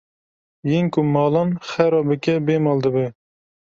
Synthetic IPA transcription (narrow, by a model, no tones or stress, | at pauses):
jiŋkumɑːlˠɑnχɛɾɑːbɨkʲɛbemɑld̪ɨbɨ